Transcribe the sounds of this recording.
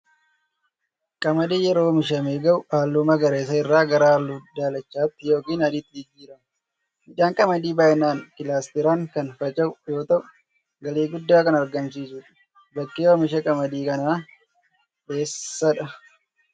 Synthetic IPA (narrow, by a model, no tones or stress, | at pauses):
kʼɐmɐd̪iːjɛɾo̞ːmɪʃ̬ɐmeːɡɐʔʊaːlːʊmɐɡɐɾeːs̬ɐɪrːaːɡɐɾaːlːuːd̪aːlɐt͡ʃːaːt̪ːɪjo̞ːkiːnɐd̪ɪt̪ːɪd͡ʒɪd͡ʒːiːɾɐm | mɪᶑaːŋkʼɐmɐd̪iːbaːjnaːnkɪlaːst̪ɪɾaːŋkɐnfɐt͡ʃʼɐʔʊjo̞ːt̪ɐʔʊ | ɡɐleːɡʊd̪ːaːkɐnɐɾɡɐmsiːsʊᶑɐ̥ | bɐkːeːwɐmɪʃɐkʼɐmɐd̪iːkɐnaː | be̞ːsːɐᶑɐ